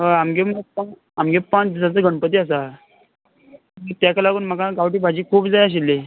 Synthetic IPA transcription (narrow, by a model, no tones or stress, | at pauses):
ɦəamɡemapa | amɡepat͡sd̪is̬at͡səɡʱəɳpət̪̬iːas̬a | it̪jakalaɡuːnm̤akaɡaʋʈiːbʱad͡ʑiːkʰuːpd͡zajaɕ̬ilːe